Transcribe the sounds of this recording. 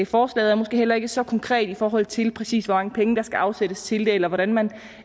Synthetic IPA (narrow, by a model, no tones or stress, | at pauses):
fɒːslɛ̰ːð̩ˠæɐmosɡ̥e̝̰ːhelɐe̝ɡ̥əsɒ̽kʰɒ̽ŋkʰʁɛ̰ːd̥ifɒːɦɒ̽l̰̩ˠt͡sʰe̝lpʰʁɛsḭːsʋɒ̽mɑ̈ŋəpʰeŋəd̥ɑ̈sɡ̥æʔɑ̈ʊseɾ̥əst͡sʰe̝ld̥e̝elɐʋɒɾænmæn